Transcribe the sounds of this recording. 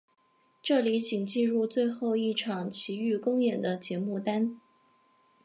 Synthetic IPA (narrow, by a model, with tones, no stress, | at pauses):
ʈ͡ʂɤ˥˩li˧˥t͡ɕi˨˩ŋt͡ɕi˥˧ɻu˥˧t͡swe˥˧ɪxo˥˧ʊi˥˩ʈ͡ʂʰɑ˨˩ŋt͡ɕʰi˧˥y˥˩kʊ˥ŋjɛ˨˩nd̪ə˦t͡ɕjɛ˧˥mu˥˩t̪a˥n